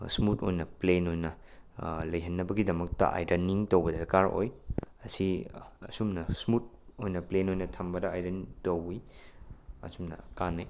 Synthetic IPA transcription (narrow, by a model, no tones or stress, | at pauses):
smuto̰jnɐplenojnɐ | lɐjɦɐnːɐbɐɡidɐmɐk̚tɐ̰ʔa̰jdɐniŋtowbɐdɐkaɾo̰jɐsiɐsumnɐsmut̚ | ojnɐplenojnɐtʰɐmbɐdɐajɾɐntowi | ɐ̰sumnɐ̰kanːɐj